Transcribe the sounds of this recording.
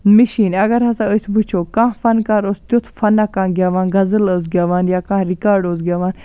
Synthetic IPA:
miʃiːnɐɡɐɾɦɐsaəsʲbut͡ʃʰoːkãːfɐnkaːɾoːst̪jot̪ʰfɐnakãːɡjaːʋãːnɡɐzələːs̬ɡʲjaːʋaːnjaːkãːɾikaːɾɖoːsɡʲjaːʋaːn

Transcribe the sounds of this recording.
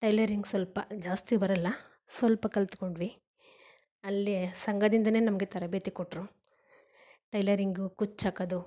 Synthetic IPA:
ʈɐjlɐɾiŋɡsʋɐlpɐd͡ʒaːst̪ibɐɾɐlːɐ | sʋɐlpɐkɐlt̪koɳɖʋi | ɐlːisɐŋɡɐd̪ind̪ɐne̞ːnɐmɐɡe̞t̪ɐɾɐbeːt̪ikoʈːɾu | ʈɐjlɐɾiŋɡukut͡ʃːaːkɐd̪u

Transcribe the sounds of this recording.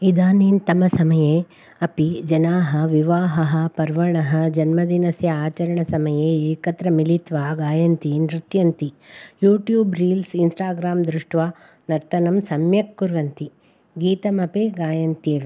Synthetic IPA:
id̪aːniːnt̪ɐmɐsɐmɐjeː | ɐpid͡ʒɐnaːɦɐ̆ʋiʋaːɦɐɦɐ̆pɐɾʋɐɳɐɦɐ̆d͡ʒɐnmɐd̪inɐsjɐaːt͡ʃɐɾɐɳɐsɐmɐjeːeːkɐt̪ɾɐmilit̪ʋaːɡaːjɐnt̪inɾit̪jɐnt̪ijuːʈjuːbɾiːlsinsʈaːɡɾaːmd̪ɾuʂʈʋaː | nɐɾt̪ɐnɐmsɐmjɐkːuɾɡɐnt̪i | ɡiːt̪ɐmɐpeːɡaːjɐnt̪jeːʋe

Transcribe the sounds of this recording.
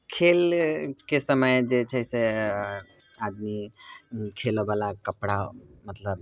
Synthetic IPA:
kʰelkesəməjd͡ʒet͡ʃʰəse | ad̪mi | kʰelobalakəpɽamət̪ləb

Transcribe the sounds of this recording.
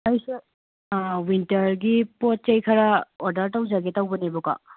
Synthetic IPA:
ɐjsu | wintɐɾɡipot̚t͡ʃɐjkʰɐɾɐoɾdɐɾtɐwd͡ʒaɡetɐwbɐnebuka̰

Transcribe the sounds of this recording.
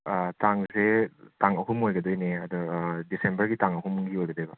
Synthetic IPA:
taŋzetaŋɐɦumojɡɐdojneɐd̪ɔdisembɐɾɡitaŋɐɦumɡiojɡɐd̪ojbɐ

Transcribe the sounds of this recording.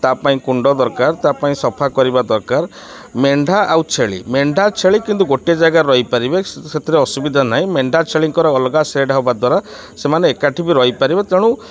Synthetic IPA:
t̪apaĩkuɳɖɔd̪ɔɾkaɾt̪apaĩsɔpʰakɔɾibad̪ɔɾkaɾ | meɳɖʱaʔawt͡ʃʰeɭḭmeɳɖʱat͡ʃʰeɭikint̪̬uɡoʈiad͡ʒaɡaɾɔɦipaɾibeset̪ʰiɾeɔsubid̪ʱanaɦĩmeɳɖʱat͡ʃʰeɭiŋkɔɾɔːlɡasɾeɖʱaɔbad̪waɾa | semaneːkaʈʰibiɾɔɦipaɾibet̪eɽ̃ũ

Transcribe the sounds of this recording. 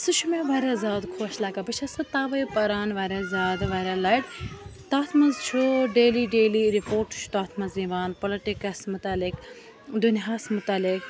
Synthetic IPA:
sɨt͡ʃʰumẽʋaːɾɐzaːd̪kʰoːʃlaːkɐbɐt͡ʃʰɐsɨt̪aːʋɐjpɐɾaːnʋaːɾʲazaːd̪ʋaːɾʲalɐjʈt̪aːt̪ʰmɐzt͡ʃʰuɖeːliɖeːliɾipoːɾʈt͡ʃʰu̥t̪aːt̪ʰmɐzĩʋaːnpɐlɐʈikɐsmʊt̪aːlɪk | d̪unɦaːsmʊt̪aːlɪk

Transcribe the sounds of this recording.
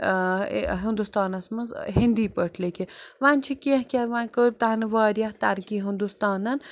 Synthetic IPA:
ɦind̪ust̪aːnɐsmɐnzɦind̪iːpəʈʰlekiʋaːnʲt͡ʃʰikiɐ̃hkʲɐɾʋaːnʲkɨt̪anɨʋaːɾjɐht̪ɐɾkiːɦind̪ust̪aːnɐn

